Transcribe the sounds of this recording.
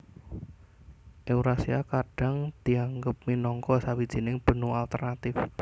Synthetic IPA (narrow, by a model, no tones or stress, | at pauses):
ʔeuɾasiakaɖ̥a̤ŋd̪̥iaŋɡəp̚minɔŋkɔsawid̥ʒ̥i̤nɪŋb̥ə̤nualt̪ərnat̪ɪf